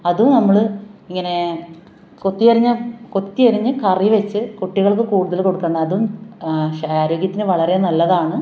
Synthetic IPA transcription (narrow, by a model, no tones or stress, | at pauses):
ɐðumnɐmːɐɭɨiŋːɐne̞ | ko̞t̪ːiɐɾiɲːɐko̞t̪ːiɐɾiɲːɨkɐriʋet͡ɕːɨkoʈːiɣɐɭkɨkuːɽuðɐlko̞ɽukːɐnːɐːðumɕaaːɾo̞ːɡjɐt̪ːinɨʋɐɭɐrenɐlːɐðaːɳɨ